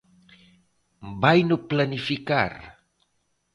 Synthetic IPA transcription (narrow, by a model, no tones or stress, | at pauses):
mbajnuplanifika̰r